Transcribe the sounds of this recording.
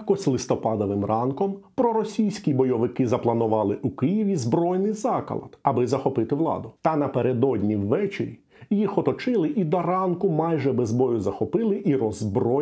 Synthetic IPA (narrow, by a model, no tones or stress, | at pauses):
kɔsʲlˠɪst̪ɔpɑd̪ɔʋɪmrɑnkɔmpɾɔɾɔsʲijsʲkʲibɔjɔʋɪkɪzɐplˠɐnʊʋɑlˠɪʔukɪjiʋʲizbɾɔjnɪjzɑkɐ̰lˠɐ̰t̪ɐbɪzɐxɔpɪt̪ɪʋlˠɑ̰d̪ʊt̪ɐnɐpeɾed̪ɔdʲnʲiwːɛt͡ʃḛɾʲi | jixɔt̪ɔt͡ʃɪlˠɪʔid̪ɔɾɑnkʊmɑjʒɛbezbɔjʊzɐxɔpɪlˠɪʔiɾɔzbɾɔ